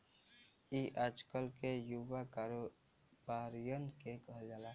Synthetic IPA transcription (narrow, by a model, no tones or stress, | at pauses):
iʔad͡ʒkəlkejuʋakaɾo | baːɾijənkekəɦd͡ʒalaː